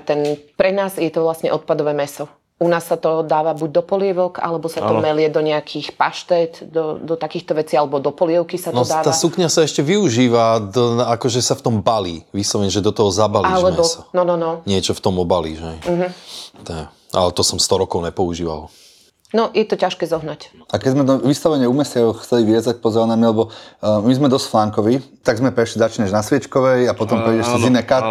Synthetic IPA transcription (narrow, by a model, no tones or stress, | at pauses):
t̪ɛnpɾɛnaːzjɛt̪ɔʋlasɲɛ̰ʔɔt̪̚pad̪ɔʋɛːmɛsɔ | unaːsːat̪ɔd̪aːʋabuɟ̚d̪ɔpɔlɪɛʋɔka̰lɛbɔsat̪ɔmɛlɪɛd̪ɔɲɛakʰixpa̰ʃt̪ɛt̪d̪ɔd̪ɔt̪akiːxt̪ɔʋɛt͡sialɛbɔd̪ɔpɔlɪɛʊkisanɔd̪aːʋ̪aːasukɲasaɛʃcɛʋiuʒiːʋad̪ɔakɔʒɛsaft̪ɔmbaliːʋiːslɔʋɛɲɛʒɛd̪ɔt̪ɔɦɔzabalilɛmɛbɔsɔnɔnɔnɔɲɪɛt͡ʃɔft̪ɔmɔbalḭːʒɦɛj̩ɦ̩t̪ɛɛ | a̰lɛt̪ɔsɔmst̪ɔɾɔkɔʊɲɛpɔuʒiːʋa̰l | nɔjɛt̪ɔcaʃkɛːzɔɦnac | akɛɟzmɛt̪ɔʋist̪aʋɛɲɛumɛsɪaɔxt͡sɛliʋiɛzac̚pɔzɛɾanamilɛbɔmizmɛd̪ɔscflaŋkɔʋit̪aɡzmɛpɾɛʃlizat͡ʃɲɛʒnasʋɪɛt͡ʃkɔʋɛjapɔt̪ɔmpɾɛjɟɛʃsizinɛːkat̪